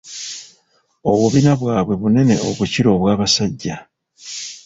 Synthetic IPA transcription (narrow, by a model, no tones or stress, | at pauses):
o̞βuβinaβwaːβwe̞βune̞ne̞o̞̰βuciɾo̞ːβwaːβasaɟːa